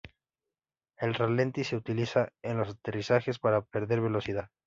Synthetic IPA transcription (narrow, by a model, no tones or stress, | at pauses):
e̞lrale̞nt̪ise̞ut̪ilisaenlo̞sat̪e̞risaxe̞spaɾape̞ɾðe̞ɾβe̞lo̞siða